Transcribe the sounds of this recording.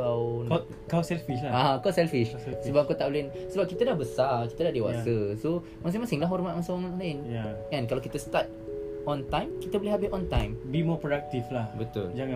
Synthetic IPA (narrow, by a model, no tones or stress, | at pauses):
a | kawsɛlfiʃlaakasɛlfiʃsəbap̚kot̪aʔblɪnsəbap̚kit̪adahbəsakit̪adahdewasəso | mas̬iŋmasɪŋlaɦɔrmat̪̚mãsɔŋlaɪnjaɛ̃nkalawkit̪əst̪at̪̚ɔ̃nt̪ãjmkit̪əboleɦabiʔɔ̃nt̪ãjmbimɔpɾodak̚t̪iflahbət̪ʊ̰ld͡ʒaŋã